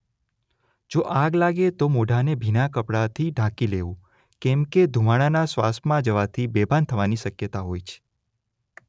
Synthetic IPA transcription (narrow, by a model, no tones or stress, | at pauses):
d͡ʒoʔaɡlaɡet̪omoɖʱanebʱinakəpɽat̪ʰiɖʱãkileʋũ | kɛ̃mked̪ʱumaɽ̃anasʋa̰st̪ʰmãd͡ʒəʋat̪ʰibebʱant̪ʰəʋaniʃəkjət̪aɦojt͡ʃʰe̥